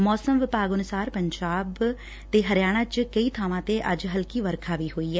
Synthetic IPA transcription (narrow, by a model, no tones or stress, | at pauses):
mɔːsəmʋɪpaːɡʊnʊsaːɾpəɲd͡ʒaːb | t̪eːɦəɾjaːɽ̃aːt͡ʃkəiːt̪ʰaːʋãːt̪eːʔəd͡ʒɦəlkiːʋəɾkʰaːʋiːɦoːiːɛː